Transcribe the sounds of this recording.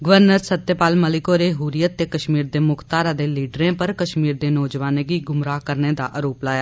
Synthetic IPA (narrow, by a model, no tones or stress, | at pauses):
ɡəʋəɾnəɾsət̪ːepaːlməlɪkoːɾeːɦuːɾijət̪ːeːkəʃmiːɾd̪eːmʊkʰt̪aːɾaːd̪eːliːɖɾẽːpəɾkəʃmiːɾd̪eːnɔːd͡ʒʋaːneːɡiːɡʊmɾaːkəɾneːd̪a̰ːʔəɾoːplaːjaː